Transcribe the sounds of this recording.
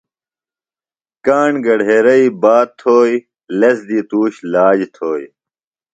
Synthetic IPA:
kaːɳɡɐɽɦeːɾɐibaːt̪ʰːoːj | lɐsd̪iːt̪uːɕlaːd͡ʑt̪ʰoːj

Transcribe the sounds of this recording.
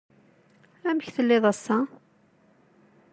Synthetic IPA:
æməçθəlːɪðˤæsːa

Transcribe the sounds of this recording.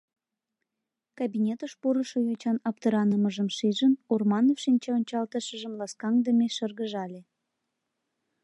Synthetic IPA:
kɑbinʲet̪əʃpuɾəʃojot͡ɕɑnɑp̚t̪əɾɑnəməʒəmʃiʒənormɑnofʃinʲt͡ɕeonʲt͡ɕɑlt̪əʃəʒəmlɑskɑŋd̪əmeʃərɣəʒɑlʲe

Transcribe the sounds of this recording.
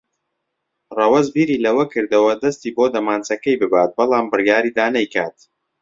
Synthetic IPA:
rɐwɐzbiːɾiːlɐwɐkɨɾd̪ɐwɐd̪ɐst̪iːboːd̪ɐmaːnt͡sɐkɐjbɨbaːt̪̚bɐlˠaːmbɨrjaːɾiːd̪aːnɐjkaːt̪

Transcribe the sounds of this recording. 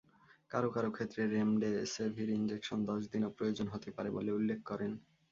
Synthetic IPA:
kaɾokaɾokʰet̪ːɾeɾemɖesebʱiɾind͡ʑekʃond̪ɔʃd̪inopɾojod͡ʑonɦot̪epaɾeboleulːekʰkɔɾen

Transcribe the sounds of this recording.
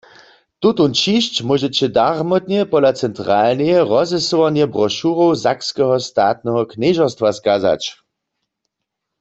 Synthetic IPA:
t̪ut̪unt͡ʃiʃt͡ɕmɔʒɛt͡ɕɛdaʁmɔt̪nɛpɔlat͡sɛntʁaːlnɛjɛʁɔzɛsowanjɛbʁɔʃuʁowzakskɛɦɔst̪aːt̪̚nɛɦɔknɛʒɔst̪waskaza̰t͡ʃ

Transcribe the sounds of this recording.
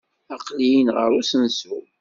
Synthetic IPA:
ɑqlijənʁə̰ɾusənsu

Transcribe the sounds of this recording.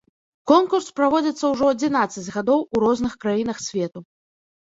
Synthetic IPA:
kɔnkurspɾavɔd͡zʲɐt̪sːɐwʐɔɐd͡zʲin̪at̪sːɐd͡zʲɣad̪ɔwuɾɔznɨxkɾajin̪ɐxsʲvʲɛt̪u

